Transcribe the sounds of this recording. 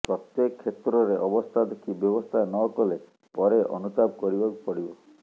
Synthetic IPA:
pɾɔt̪jekʰːet̪ɾɔɾeʔɔbɔst̪ʰad̪ekʰibjɔbɔst̪ʰanɔkɔle | pɔɾeʔɔ̰nut̪ab̚kɔɾibakupɔɽibɔ

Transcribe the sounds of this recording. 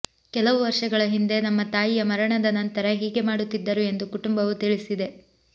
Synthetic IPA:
kɛlɐʋuʋɐɾʂɐɡɐɭɐɦind̪e̞nɐmːɐt̪aːjijɐmɐɾɐɳɐd̪ɐnɐnt̪ɐɾɐɦiːɡe̞maːɽut̪ːid̪ːɐɾue̞nd̪ukuʈumbɐʋut̪iɭisid̪e̞

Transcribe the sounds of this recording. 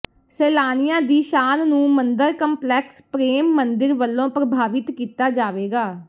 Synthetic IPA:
sɛːlaːnɪjãːd̪iːʃaːnnũːmənd̪əɾkəmplɛːkspɾeːmːənd̪ɪɾʋəlːõːpɾəbʱaːʋɪt̪kiːt̪aːd͡ʒaːʋeːɡaː

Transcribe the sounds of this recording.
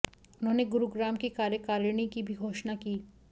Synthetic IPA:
ʊnɦõneɡʊɾuɡɾaːmkikaːɾjəkaːɾɳ̃ikibʱiɡʱoːʃnakiː

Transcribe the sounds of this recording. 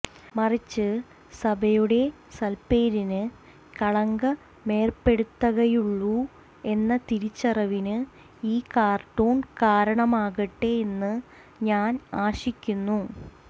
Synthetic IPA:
mɐrit͡ɕːɨ | sɐbʱɐjuɽe̞ | sɐlpeːɾinɨ | kɐɭɐŋɡɐ | me̞ːrpe̞ɽut̪ːɐɣɐjuɭːu | e̞nːɐt̪iɾit͡ɕːɐrɐʋinɨ | iːkaːrʈːoːɳkaːɾɐɳɐmaːɣɐʈːeːnːɨ | ɲaːnaːɕikʲːunːu

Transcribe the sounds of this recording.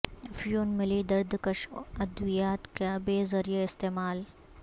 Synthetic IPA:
ɐfjoːnmɪlid̪ɐɾd̪kɐʃɐd̪wijaːt̪kabeːzɐɾijaɪst̪eːmaːl

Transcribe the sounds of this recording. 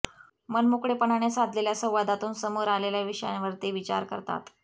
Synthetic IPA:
mənmokɽepəɳaɳjasad̪ʱleljasə̃w̃ʋad̪at̪uːnsəmuɾaleljaʋiʂəja̰nʋəɾt̪eʋit͡ɕa̰ɾkəɾt̪a̰t̪

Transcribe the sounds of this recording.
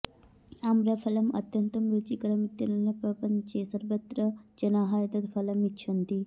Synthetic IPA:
amɾɐpʰɐlɐmɐ̰t̪jɐnt̪ɐmɾut͡ʃikɐɾɐmit̪ːɐnɐnɐpɾɐpɐɲt͡ʃeːsɐɾʋɐt̪ɾɐd͡ʒɐnaːɦaːjɐt̪ɐd̪pʰɐlɐmit͡ʃːt͡ʃʰɐnt̪i

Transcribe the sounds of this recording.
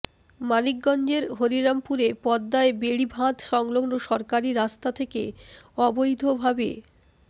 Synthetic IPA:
malik̚ɡɔnd͡ʑeɾɦoɾiɾampuɾepɔd̪ːaebeɽibʱãt̪ʃɔŋloɡnoʃɔɾkaɾiɾast̪at̪ʰekḛɔbojd̪ʱobʱabe

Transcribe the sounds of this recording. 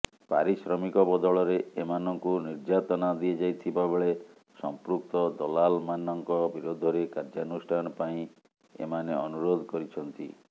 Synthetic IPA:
pa̰ɾisɾɔmikɔbɔd̪ɔɭɔɾeemanɔŋkuniɾd͡ʒat̪ɔnad̪ied͡ʒajt̪ʰibabeɭe | sɔmpɾuk̚t̪ɔd̪ɔlalmanɔŋkɔbiɾod̪ʱɔɾekaɾd͡ʒanusʈʰanɔpaĩ | ḛmaneɔnuɾod̪ʱɔkɔɾit͡ʃʰɔnt̪i

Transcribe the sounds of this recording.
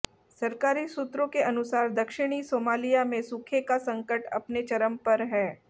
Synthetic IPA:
sɐɾkaːɾisut̪ɾõkeʔɐnʊsaːɾd̪ɐkʃɪɽ̃isoːmaːlijamẽsukʰekasɐ̃ŋkəʈɐ̰pnet͡ʃɐɾəmpɐɾɦɛː

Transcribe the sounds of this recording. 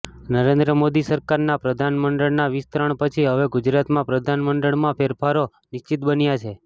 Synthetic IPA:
nəɾẽnd̪ɾəmod̪isəɾkaɾnapɾəd̪ʱanməɳɖəɭnaʋist̪ɾəɳpət͡ʃʰiɦəʋeɡud͡ʒɾat̪mãpɾəd̪ʱanməɳɖəɭmãpʰeɾfʰaɾo | nɪʃt͡ʃit̪̚bənjat͡ʃʰe

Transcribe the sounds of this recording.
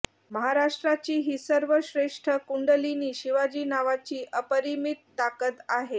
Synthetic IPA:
məɦaɾaʂʈɾat͡ɕiːɦiːsəɾʋəɕɾeʂʈʰəkuɳɖəliniːɕiʋad͡ʑiːnaʋat͡ɕiːʔəpəɾimit̪ːakət̪aɦe

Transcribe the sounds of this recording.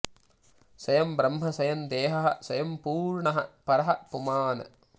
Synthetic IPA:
sɐjɐmbɾɐmɦɐsɐjɐnd̪eːɦɐɦɐ̰̆sɐjɐmpuːɾɳɐɦɐpɐɾɐɦɐpumaːnɐ̰

